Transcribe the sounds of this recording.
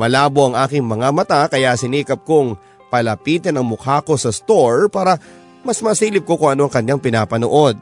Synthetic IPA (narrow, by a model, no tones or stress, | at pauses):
mɐlaːboʔɐŋʔaːkɪŋmɐŋamɐt̪akɐjasɪniːkɐp̚koŋ | pɐlɐpiːt̪ɛnɐŋmʊkaːko̞sɐst̪oɹpaːɾɐ | mɐsmɐsiːlɪp̚ko̞kʊŋʔɐno̞ʔɐŋkɐɲjaŋpɪnaːpɐnoʔo̞d̪̚